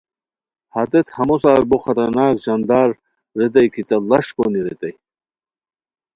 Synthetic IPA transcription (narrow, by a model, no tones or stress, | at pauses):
hɐt̪et̪hɐmosaːɾboxɐt̪ɐɾnaːkʑɐnd̪aːɾː | et̪̬ɐjkʰit̪ɐlɐʂkoniɾet̪ej